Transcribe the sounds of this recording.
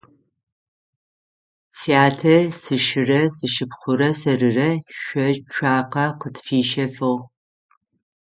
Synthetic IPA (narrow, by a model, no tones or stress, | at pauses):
sijaːtʰɐsɨʃɪrɐsɨʃɨpχʷʊɾɐsɐrɨrɐʃʷɔt͡ʃʷʰaːqɐqʷətfiːʃɐfɐw